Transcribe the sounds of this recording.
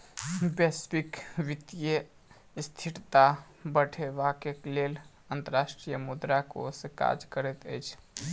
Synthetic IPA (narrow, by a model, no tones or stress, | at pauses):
bespikʋit̪ijə | st̪ʰiʈt̪a | bəʈʰeʋakeklel | ənt̪əɾasʈɾijəmud̪ɾako̰seka̰d͡ʒkəɾɛt̪ə̰ɪt͡ʃʰ